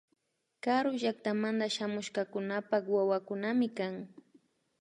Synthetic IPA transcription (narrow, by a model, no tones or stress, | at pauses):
kaɾʊʒak̚t̪amand̪aʃamʊʃkakʊnapakwawakʊnamɪkaŋ